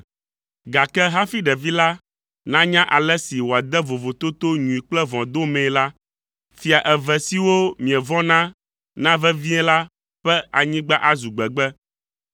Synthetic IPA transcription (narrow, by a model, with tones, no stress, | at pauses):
ɡa˨kɛ˦ɦa˦fi˦ɖɛ˨vi˦la˦ | nã˦ɲã˦ʔa˨lɛ˦si˨wo˨a˨d̪ɛ˦vo˨vo˨t̪o˦t̪o˦ɲũ˨i˨k͡plɛ˦vɔ̃˨d̪o˦mɛ̃˨la˦ | fi˨a˨ʔɛ˨vɛ˨si˨wo˦mĩ˨ɛ˨vɔ̃˦nã˦ | nã˦vɛ˦vi˦ɛ̃˦la˦ | ɸɛ˦a˨ɲĩ˦ɡ͡ba˦ʔa˦zu˨ɡ͡bɛ˨ɡ͡bɛ˦